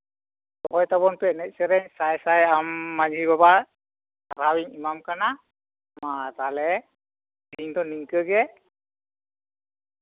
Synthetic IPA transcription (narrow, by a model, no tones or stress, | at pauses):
tɔkɔjt̪aβɔnpɛnɛc̚sɛɾɛɲsajsajamːad͡ʒʱibabaɹ | aɾawiɲimamkana | mat̪alɛ | diɲtɔniŋkəɡɛ